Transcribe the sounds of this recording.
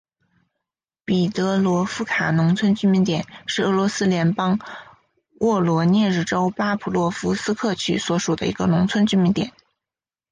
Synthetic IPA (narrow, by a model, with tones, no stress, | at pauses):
pi˨˩t̪ɤ˧˥lwɔ˧˥fu˥kʰa˨˩nʊ˧˥ŋt͡sʰwə˥nt͡ɕy˥mi˧˥nt̪jɛ˨˩˦nʂɻ̩˥˩ɤ˧˥lwɔ˧˥sɹ̩˥ljɛ˧˥npɑ˥ŋ | wʔɔ˥˩lwɔ˧˥njɛ˥˧ɻ̩˥˩ʈ͡ʂo˥ʊpa˥pʰu˨˩lwɔ˥˩fu˧˥sɹ̩˥kʰɤ˥˧t͡ɕʰy˥˩swɔ˧˥ʂu˨˩d̪ə˦ḭ˧˥ɡə˧nʊ˧˥ŋt͡sʰwə˥nt͡ɕy˥mi˧˥nt̪jɛ̰˨˩˦n